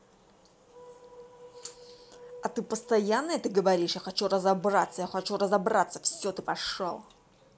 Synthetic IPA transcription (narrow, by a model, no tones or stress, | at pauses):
ɐt̪ɨpəst̪ɐjanːəjət̪ɨɡəvɐɾʲiʂjaxɐt͡ɕurəzɐbɾat̪səjaxɐt͡ɕurəzɐbɾat̪sːə̥fsʲot̪ɨpɐʂo̰lˠ